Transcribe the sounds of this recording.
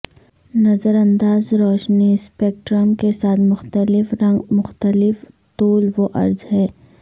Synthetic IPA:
nɐzəɾɐ̃nd̪aːzɾɔːʃnispeːkʈɾəmkesaːt̪ʰmʊxt̪əlɪfɾɐŋɡmʊxt̪əlɪf | t̪oːlʋoʔɐ̰ɾzɦɛː

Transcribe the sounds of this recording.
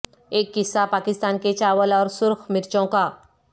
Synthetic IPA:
eːkːɪsapakɪst̪anket͡ɕaʋəlɔːɾsʊɾxmɪɾt͡ʃõka

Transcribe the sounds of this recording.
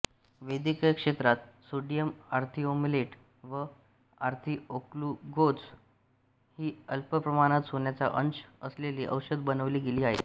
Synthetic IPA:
ʋəjd̪ikəjəkʂet̪ɾat̪̚soɖijəmaɾt̪ʰiːomileʈ | ʋə | aɾt̪ʰiːokluɡot͡s | hiːəlpəpɾəmaɽ̃at̪sonjat͡sa̰ʔənt͡ɕəsleliːʔə̰wɕəd̪bənəʋliːɡeliːaɦe

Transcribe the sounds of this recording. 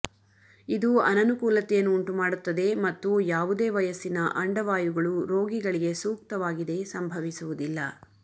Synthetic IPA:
id̪uɐnɐnukuːlɐt̪ːɛjɐnːuːɳʈumaːɽut̪ːɐd̪e̞mɐt̪ːujaːʋud̪e̞ːʋɐjɐsːinɐʔɐɳɖɐʋaːjuɡɐɭuɾo̞ːɡiɡɐɭiɡe̞suːk̚t̪ɐʋaːɡid̪e̞sɐmbʱɐʋisuʋud̪ilːɐ

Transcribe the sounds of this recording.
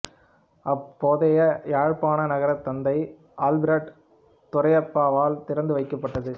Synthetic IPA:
ɐpːoːðɐjɐaːɻpaːnɐnɐɣɐɾɐt̪ːɐnd̪ɐɪ | aːlbɪɾɐɖ | t̪ʊɾɐɪɐpːaːʋaːlt̪ɪɾɐnd̪ɯʋɐɪkːɐpːɐʈːɐðɯ

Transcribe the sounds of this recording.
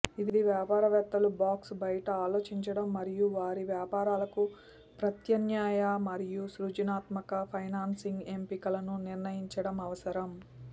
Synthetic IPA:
id̪iʋjaːpaːɾɐʋɛt̪ːɐlubaːksbɐjɐʈɐaːlo̞ːt͡ʃiɲt͡ʃɐɽɐmːɐɾijuʋaːɾiʋjaːpaːɾaːlɐku | pɾɐt̪jɐnjaːjamɐɾijusɾud͡ʒinaːt̪mɐkɐpʰɐjnaːnsiŋɡe̞mpikɐlɐnuniɾnɐjiɲt͡ʃɐɽɐmɐʋɐsɐɾɐm

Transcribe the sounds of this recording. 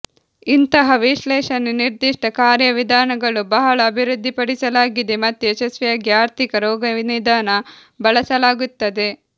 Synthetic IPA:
int̪ɐɦɐʋiʃlɛːʃɐnːuniɾd̪iʂʈɐkaːɾjɐʋid̪ʱaːnɐɡɐɭubɐɦɐɭɐːbʱiɾud̪ʱːipɐɽisɐlaːɡid̪emɐt̪ːueʃɐsʋɐjɐɡjaːɾt̪ʰikɐɾɔːɡɐʋinid̪ʱaːnɐ | bɐɭɐsɐlaːɡut̪ːɐd̪e̞

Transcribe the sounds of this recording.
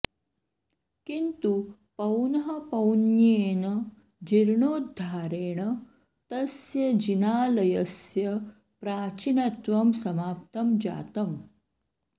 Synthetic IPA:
kint̪u | pɐwnɐɦɐpɐwnjeːnɐ | d͡ʑiɾɳoːd̪ʱːaːɾeːɳɐ | t̪ɐsjɐd͡ʑinaːlɐjɐsjɐ | pɾaːt͡ɕinɐt̪ʋɐmsɐmaːp̚t̪ɐmd͡ʑa̰ːt̪ɐm

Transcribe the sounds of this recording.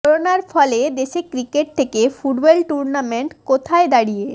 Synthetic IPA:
ɾonaɾfɔled̪eʃekɾikeʈ̚t̪ʰekefuɖbɔlʈuɾnameɳʈkot̪ʰaed̪aɽije

